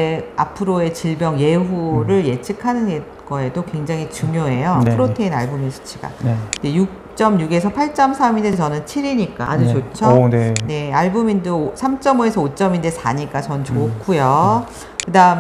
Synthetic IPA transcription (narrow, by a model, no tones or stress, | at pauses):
eapʰɯɾoe̞t͡ɕiɭbjʌŋje̞ɦuɾɯɭje̞t͡ɕʰɯkʰanɯne | ɡʌe̞dokwe̞ŋd͡ʑaŋɦit͡ɕuŋjoe̞jopʰuɾotʰeina̰ɭbominɕʰi̥t͡ɕʰiɡa̰d͡ʑejuk̚ | t͡ɕ͈ʌmjuɡe̞sʰʌpʰaɭt͡ɕ͈ʌmsʰamindet͡ɕʌnɯnt͡ɕʰiɾiɲik͈a̰ʔad͡ʑut͡ɕot͡ɕʰʌnne̞aɭbomindosʰamt͡ɕ͈ʌmoe̞sʰʌot͡ɕ͈ʌmindesʰa̰ɲik͈at͡ɕʌnt͡ɕokʰujo | kɯdaɯm